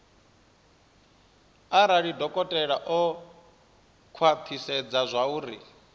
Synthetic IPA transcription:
aɾaɺidɔkʼɔtʼɛɺaʔɔ | kʰwat̪ʰisɛd͡zazʷauːɾḭ

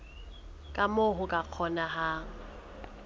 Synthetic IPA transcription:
kʼamʊɦʊkʼaq͡χʰɔnaɦa

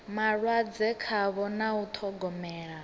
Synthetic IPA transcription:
maɺwad͡zɛkʰaβɔnaut̪ʰɔɡɔmɛːɺa

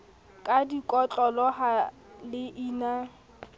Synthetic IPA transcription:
kʼadikʼɔt͡ɬʼɔlɔɦa | lɪʔiːna

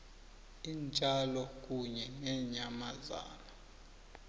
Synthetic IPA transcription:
int͡ʃʼalɔk̬ʼuɲɛŋɛɲamaza̰ːna

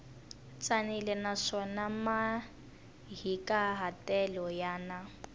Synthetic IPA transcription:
t͡sʼanilɛnaʂɔnama | ɦikaɦatɛlɔjaːna

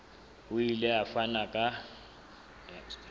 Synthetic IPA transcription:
uilɛafanakʼa

